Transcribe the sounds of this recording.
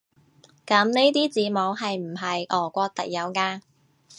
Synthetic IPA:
kɐ˨˥mne˥jt̪iː˥t͡siː˨˥mo˨˧wɦɐ˨jm̩˨˩ɦɐ˨jʔɔː˨˩kʷɔː˧k̚t̪ɐ˨k̚jɐ˨˧wkaː˧

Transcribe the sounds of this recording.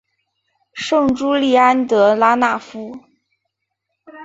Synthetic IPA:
ʂɤ˥˩ŋʈ͡ʂu˥li˥˩a˥nt̪ɤ˧˥la˧˥na˥˩fu˥

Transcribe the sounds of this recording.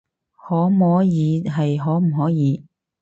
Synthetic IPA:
hɔː˨˥mɔː˨˥jiː˨˧ɦɐ˨jɦɔː˨˥m̩˨˩ɦɔː˨˥jiː˨˧

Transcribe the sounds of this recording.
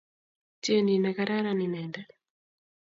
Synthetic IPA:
ti˦e˦ni˨na˨ka˦ɾa˦ɾa˦ni˨nɛnda˦

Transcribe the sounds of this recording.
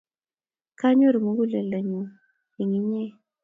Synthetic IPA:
ka˦ɲo˦ɾmu˨˦ɡu˦le˨lə˨ɲu˨ | i˨ŋi˦ɲɛ˦

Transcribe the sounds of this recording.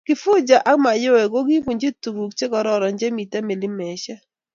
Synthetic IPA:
kɪ˨fʊ˦d͡ʒa˨ʔa˦kma˨jo˦ɛ˨ko˦ɡi˦ku˨ɲd͡ʒe˦tu˨ɡu˨kt͡ʃe˦kɔ˨ɾɔ˦ɾɔ˨ɲd͡ʒe˦mi˨ta˦me˨li˦mɛ˨ʃɛ˦

